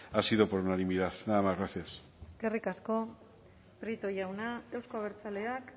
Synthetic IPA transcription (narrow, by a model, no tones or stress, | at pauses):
asiðopoɾunanimiðaθnamaɣɾaθes | eske̞rikasko̞ | pɾit̪o̞jawnae̞wskoaβeɾt͡sale̞ak